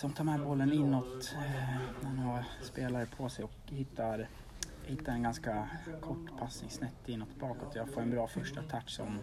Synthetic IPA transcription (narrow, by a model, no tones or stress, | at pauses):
sɔmt̪ʰɑːɾmɛɛbɔlːənɪnːɔt̪ | nænhaspeːlaɾəpʰɔsɛjɔkhɪt̪ːaɾ | hɪt̪ːaɾɛnɡanskakʰɔʈːpʰasnɪŋsnɛt̪ːɪnːɔt̪ːbɑːkɔt̪ʰːɔjɑːɡfoːɾɛnbɾɑːfœʂʈat̪ʰaʈːsɔ̰m